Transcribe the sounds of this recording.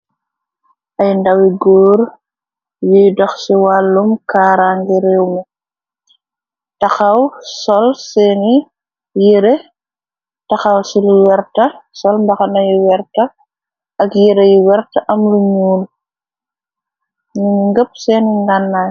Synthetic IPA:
ʔɐjndɐwiɡɔːɾ | jujdɔxsiwalːumkaːɾaŋɡiɾɛːwmɛ | tɐxɐwsɔlsɛːni | jiɾe | tɐxɐwsiluwɛɾtɐsɔlmbɐxɐnɐjuwɛɾtɐ | ʔɐkjiɾɐjuwɛrtɐʔɐmluɲuːn | nuɲuŋɡəp̚sɛːniŋɡanːa

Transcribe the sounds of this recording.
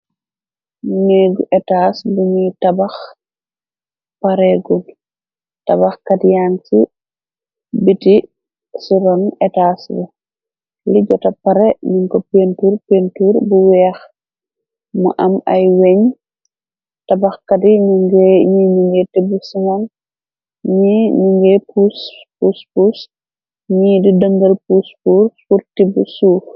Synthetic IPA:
niɡuʔɛtasbuɲitabax | paɾɛɡun | tabaxkadijaŋsḭ | biti | suɾɔnɛtaːsbu | liɟɔtapaɾɛmiŋkɔpentuːɾpentuɾbuwɛːx | mɐ̰ʔɐmɐjwɛɲ | tɐbɐxkɐdiɲuŋɡɲiɲuŋɡɛtibusiŋan | ɲiɲuŋɡɛpuspuspus | ɲiːdidəŋɡɐlpuspurpurtibusuːx

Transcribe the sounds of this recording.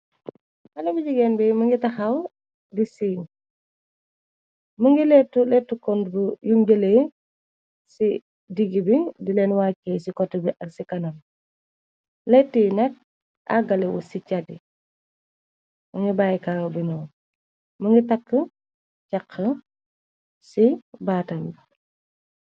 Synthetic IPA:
ɐnɐbiɟiɡɛːnbɛmɐŋɡitɐxɐw | disin | mɐŋɡilɛtːulɛtːukɔnbujumɟəle | si | diɡibidilɛːnwaːkːɛːsikɔtːəbiʔɐksikɐnɐm | lɛtːinɐk̚ | a̰ɡalɛwɔ̰sicadi | mɐŋɡibaːjkaːwbinɔ | mɐŋɡitɐkːə | cakʰːə | sibaːtɐmbi

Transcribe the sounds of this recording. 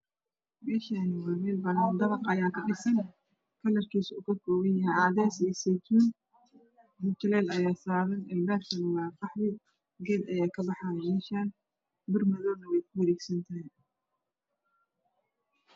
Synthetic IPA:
bɛːʃɐnɪwaːmɛːlbɐnɐnd̪ɐβɐqɐjaːkʰɐɗɪsɐn | kʰɐlɐrkʰiːsṵkʰɐkʰɔːwɐnjɐɦɛjaːðɛːsiːsɛt̪ʰuːn | mʊt͡ʃɐlɛlɐjaːsaːðɐnɛlbɛːɾkʰɐnɐwɑːqɑħðɪ | ɡɛːd̪ɐjaːkʰɐbɑħamɛːʃaːn | bɪrmɐðɔːnɐwɛjkʰʊwɐɾɛːɡsɐnt̪ʰɐɦɛj

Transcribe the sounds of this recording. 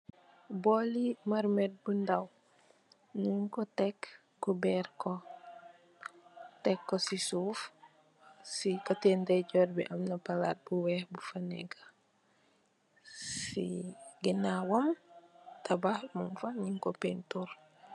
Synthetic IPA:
bolimaɾmɛt̚bundaw | ɲiŋkɔtɛkː | ubɛɾkɔ | tɛkːɔsisuːf | sikatɛndɛɟɔɾbɛ̰ʔamnɐpala̰t̚buwɛhbufanɛ̰ɡa | sḭɡinawɔmtʰabahmunfaɲiŋkɔpɛntuɾ

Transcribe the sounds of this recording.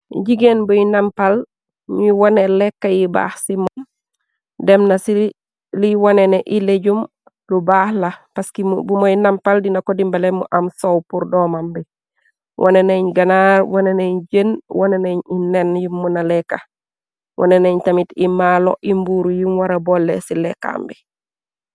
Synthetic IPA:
ɟiɡenbojinampal | ɲiwonelekːajiba̰ːhsimom | dɛmnasi | liwoneneʔileɟum | lubaːhlapaskibumojnampaldinakodimbalemṵʔamsowpuɾdɔmambi | wʔo̰neneɲɡɐnaɾwoneneɲd͡ʒənwoneneɲinenjimːunalɛkːa | wʔo̰neneɲtamitimalo̰ʔimbuɾujimwaɾabolːḛsilɛkːa̰mbi

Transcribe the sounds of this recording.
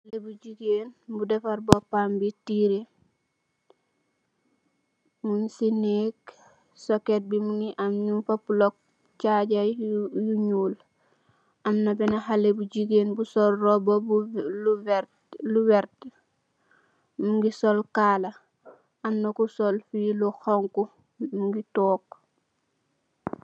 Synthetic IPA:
halebud͡ʒiɡeːnbudefaɾbopambitiɾe | munsinek | soket̚bimuniʔamɲufapulok̚ | t͡ʃaɟajuɲuːl | ɐmnɐbɛnɐhalebuɟiɡeːnbusɔlrɔbolu | luwɛɾt | muŋɡisɔlkaːla | amnokusolfiluxɔŋku | muŋɡitɔːk̚

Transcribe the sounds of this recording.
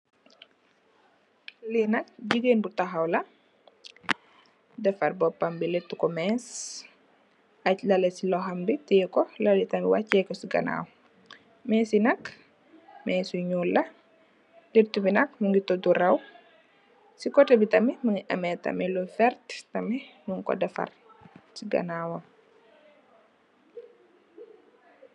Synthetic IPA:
linɐk̚ɟiɡenbutɐxɐwlɐ | dɛfɐɾbɔpːɐmbilitːukɔmɛs | ɐclɐlesilɔɦɐmbitijkɔlɐlitɐmiwacːɛkɔsiɡɐ̰na̰w | mɛːsinɐk | mɛsuɲuːlɐ | liɾtubinɐk̚məŋɡitɔduɾɐw | sikɔtɛbitɐmiməŋiʔɐmɛtɐ̰mɛlufɛɾttɐmɛnuŋkɔ̰dɐfɐ̰r | siɡɐ̰naːwɐ

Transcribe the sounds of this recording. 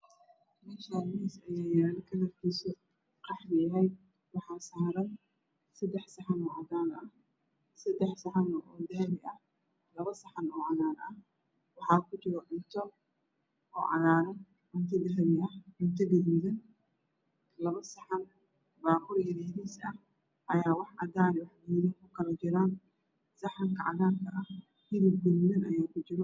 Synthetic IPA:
mɛːʃaːnɪɪsɐjɛːjaːlkʰɐlɐrkʰiːsɔ | qɑħd̪ɪɐɦɛjd̪ | wɑħɑːsaːɾɐn | sɐd̪ɛħsɐħanɔːʔɐdaːnɐh | sɐd̪ɛħsɐħanʔɔːd̪ɐhβɪʔɐh | lɐβɐsɐħanɔːʕɑnaːɾɐh | wɑħɑːkʰʊt͡ʃɪɣɔʕʊnt̪ʰɔ | ʔɔ̰ːʕɑðaːɾɐ | ʕɪnt̪ʰɐd̪ɐɦβɪɐʕʊnt̪ʰɔɡɛdmɪðɐn | lɐβɐsɐħan | baːkʰʊrjɐɾɛjðiːsɐh | ʔɐjaːwɑħɑdaːnwɑħɡiːðɐŋkʰʊkʰɐlɐt͡ʃɪɾaːn | sɐħaŋkʰɐʕɑðaːnkʰɐʔɐh | hɪɾib̚ɡʊnmɪnɐjaːkʰʊt͡ʃɪɾɔ

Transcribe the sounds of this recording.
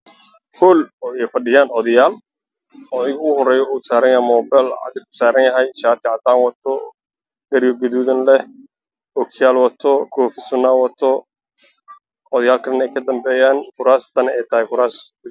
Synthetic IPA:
hɔːlɔɛjfɐɖɪjaːnʕɔðɐjaːl | ɐðɪɣɐʊʊɦɔrɛːjɔuːsaːɾɐnjɐhɛmɔːbɛlʕɑ̰d̪ɪɾkʰʊ̥saːɾɐnjɐɦɛjʃaːt̪ʰɪʕt̪aːnwɐt̪ʰɔ | ɡɐɾjɔɡɐðuːðɐnlɛ | ɔkʰɪjaːlwɐt̪ʰɔkʰɔːfɪsʊnːaːwɐt̪ʰɔ | ʕɔðɐjaːlkʰɐɽɐnɛjkʰɐd̪ɐmbɛːjaːnkʊɾaːst̪ʰɐnɐɛjt̪ʰɐhɛkʊɾaːs

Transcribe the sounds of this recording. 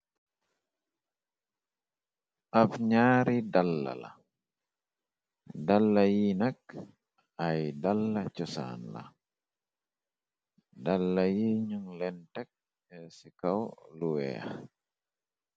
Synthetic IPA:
ʔafɲaːɾidalːa̰la̰ | dalːajinak̚ | ajdalːat͡ʃɔsa̰ːnla̰ | dalːajiɲuŋlɛntɛk̚ | ɛsikawluwɛ̰a

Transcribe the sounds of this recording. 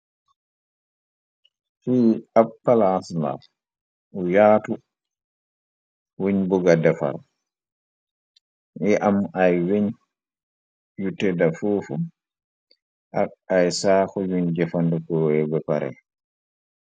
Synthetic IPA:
fiːapːalasla̰ | ʔɔjaːtu | weɲbuɡadɛfa̰ɾ | ʔɛʔamajweɲ | jutɛdafoːfu | ʔaajsaːkɔjuɲd͡ʒɛfandukɔɛbɛpaɾɛ̰

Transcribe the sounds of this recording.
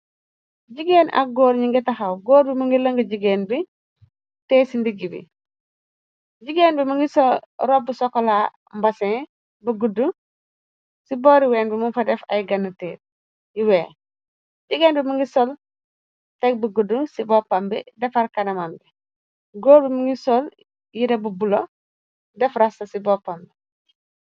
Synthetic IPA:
ɟiɡeːna̰ɡoːɾɲiŋɡitaxawɡoːɾbimuŋɡiloŋɡiɟiɡeːnbi | teːsindiɡibḭ | ɟiɡeːnbimuŋɡisɔɾobːusɔkɔlaː | mbasɛ̃ | buɡudu | siboːɾiweːnbimunfadefa̰jɡɐnːəteːt̚ | jiweː | ɟiɡeːnbimuŋɡisɔl | tek̚buɡudːusibɔpːambḭdɛfaɾkanɐmambi | ɡoːɾbimuŋɡisɔl | jidebubulo | dɛfɾasɐsibopambi

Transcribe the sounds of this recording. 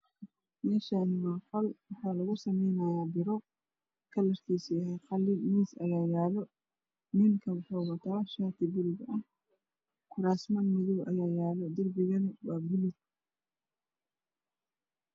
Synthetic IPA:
mɛːʃaːnɪmɐqɐlwɑħɑːlɐɣʊsɐmɛjnɐjaːbɪɾɔ | kʰɐlɐrkʰiːsɪɐɦɛqɑlːɪmiːsʔɐ̰jaːjaːlɔ | nɪnkʰɐwʊħɔːɣɐt̪ʰaːʃaːt̪ʰɪbʊlɪɡɐh | kʰʊɾaːsmɐnmɪðɔwʔɐ̰jaːjaːlɔd̪ɐrbɪɣɐnwaːbɪlɪd̪

